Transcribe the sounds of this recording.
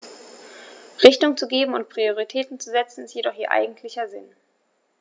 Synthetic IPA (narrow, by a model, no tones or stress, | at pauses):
ʁɪçtʊŋt͡suɡeːbm̩ʊnt̚pʁ̥ioʁitʰɛːtn̩t͡suzɛt͡sn̩ɪstjedɔχʔiːɐʔa̰ɪɡŋ̩tʰlɪçɐzɪn